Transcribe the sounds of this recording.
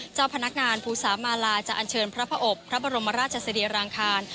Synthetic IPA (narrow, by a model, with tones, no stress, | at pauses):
t͡ɕaː˥˩wpʰa˧na˦˥k̚ŋaː˧npʰuː˧˩saː˩˦maː˧laː˧t͡ɕa˨ʔa˧nt͡ɕʰɤː˧npʰɾa˦˥pʰa˦˥ʔo˨˩k̚pʰɾa˦˥bɔ˧ɾo˧mːa˧ɾaː˥˩t̪̚t͡ɕʰa˧sa˧diː˧ɾaː˧ŋkʰaː˧n